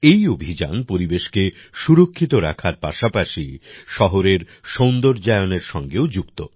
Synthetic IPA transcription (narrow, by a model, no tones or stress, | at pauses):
ejobʱid͡ʑa̰npoɾibeʃke | ʃuɾokʰːit̪oɾa̰kʰaɾpaʃapaʃiʃɔɦoɾeɾ | ʃond̪oɾd͡ʑaeoneɾʃɔŋɡeod͡ʑukt̪o̰